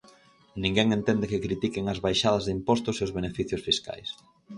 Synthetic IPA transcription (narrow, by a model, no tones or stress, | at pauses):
nĩŋɡɛŋent̪ɛnd̪ekɪkɾit̪ikeŋɐzβajʃað̞ɐzðimpɔst̪ʊseʊzβenefiθjʊsfiska̰js